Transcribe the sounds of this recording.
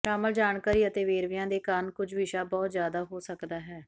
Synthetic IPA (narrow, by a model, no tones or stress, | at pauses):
ʃaːməld͡ʒaːɳkaːɾiːət̪eːʋeːɾʋɪjãːd̪eːkənkʊd͡ʒʱʋɪʃaːbɔːt̪zjaːd̪aːɦoːsəkd̪aːɦɛː